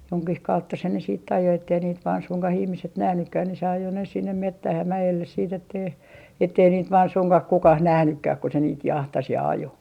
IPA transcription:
joŋkih kɑutːɑ se ne siːtː ɑjo etːei niːt ʋɑːn suŋkɑh ihmiset næhnykːæh ni se ɑjo ne sinːem metːæh jɑ mæjelːes siːt etːei etːei niːt ʋɑːn suŋkɑh kukɑh næhnykːæh ku se niːt jɑhtɑs jɑ ɑjo

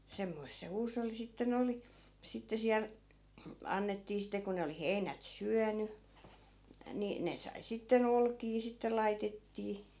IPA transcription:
semːoist̆ se huːsolːi sitːen oli sitːe siæl ɑnːetːiː sitːĕ ko ne oli heinæt syæny ni ne sɑi sitːen olkiː sitːe lɑitetːiː

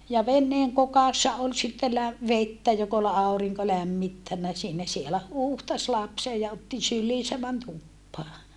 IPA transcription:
jɑ ʋenːeːŋ kokɑsːɑ ol sitːe læ ʋetːæ jok ol ɑˑu̞riŋko læmːitːænːæ siːnæ sielæ huːhtɑs lɑpse jɑ otːi sylːiːsæ mæn tupːɑː

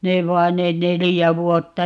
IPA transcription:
neʋ ʋɑin ne nelijæ ʋuotːɑ

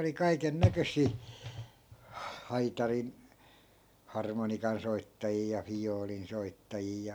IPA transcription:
oli kɑiken nækøsˑiː hɑitɑrin hɑrmonikɑnsoitːɑjiː jɑ fijoːlin soitːɑjiː

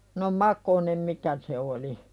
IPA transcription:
no mɑkonem mikæ se oli

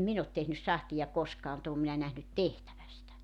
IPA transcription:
min ot tehnys sɑhtijɑ koskɑː mut oːm minæ næhnyt tehtæʋæ sitæ

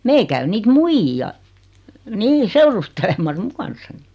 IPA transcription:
meil kæy niːt muijːiɑ niː seurustelemɑs mu kɑnsːɑni

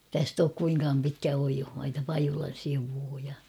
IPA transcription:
tæst oːk kuiŋkɑːm pitkæ oijohmɑitɑ pɑjulɑn siʋuː jɑ

